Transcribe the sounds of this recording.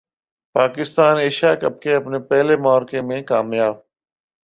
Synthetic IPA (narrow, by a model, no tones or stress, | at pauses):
paːkɪst̪aːneːʃaːkəb̚keɐpnepɛɦlemɔːɾkeːmẽkaːmjaːb̚